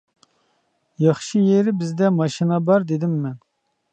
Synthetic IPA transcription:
jɑχʃijeɾɪbɪzd̪ɛmɑʃinɑbɑɾd̪ed̪ɪmːɛn

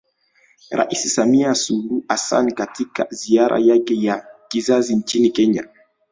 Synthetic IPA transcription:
ɾa̰ʔisisamiasuluʔasa̰nkatʰika̰ziaɾa̰jakɛjakizazint͡ʃinikɛɲa̰

